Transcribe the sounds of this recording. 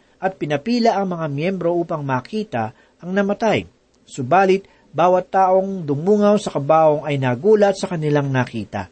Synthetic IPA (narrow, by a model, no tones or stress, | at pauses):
ʔɐt̪̚pɪnɐpiːlɐʔɐŋmɐŋamjɛmbɾo̞ʔuːpɐŋmaːkiːt̪ɐ | ʔɐŋnɐmɐt̪aj | sʊbaːlɪt̪̚ | baːwɐt̪ːaːʔo̞ŋd̪ʊmuːŋɐwsɐkɐbaːʔo̞ŋɐjnaːɡuːlɐt̪̚sɐkɐnɪlaŋnɐkḭːt̪ɐ̰